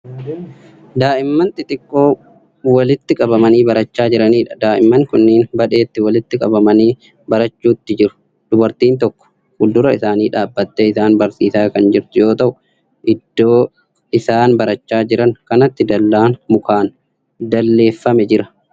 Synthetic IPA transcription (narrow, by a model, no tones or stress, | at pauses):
d̪aːʔɪmːɐnt̪ɪt̪ʼɪkʼːo̞ː | wɐlɪt̪ːɪkʼɐβɐmɐniːbɐɾɐt͡ʃːaːd͡ʒɪɾɐniːᶑɐ̥d̪aːʔɪmːɐŋkʊnːɪːnbɐᶑe̞ːt̪ːɪwɐlɪt̪ːɪkʼɐbɐmɐniː | bɐɾɐt͡ʃːuːt̪ːɪd͡ʒɪɾʊ̥ | d̪̥ʊbɐɾt̪iːnt̪ɔkːɔ̥ | hʊld̪ʊɾɐɪsaːniːᶑaːbːɐt̪ːeɪsaːnbɐɾsiːsaːkɐnd͡ʒɪɾt̪ʊjo̞ːt̪ɐʔʊ | ʔɪd̪̥ːo̞ː | ɪsaːnbɐɾɐt͡ʃːaːd͡ʒɪɾɐŋkɐnɐt̪ːɪd̪ɐlːaːnmʊkaːn | d̪ɐlːe̞ːfːɐmɛd͡ʒɪɾɐ̥